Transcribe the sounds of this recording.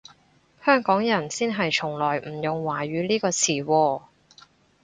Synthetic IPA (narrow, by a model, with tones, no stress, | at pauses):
hœː˥ŋkɔː˨˥ŋjɐ˨˩nsiː˥nɦɐ˨jt͡ʃʰʊ˨˩ŋlɔː˨˩jm̩˨˩jʊ˨ŋwaː˨˩ɥyː˨˧˦liː˥kɔː˧t͡sʰiː˨˩wɔː˧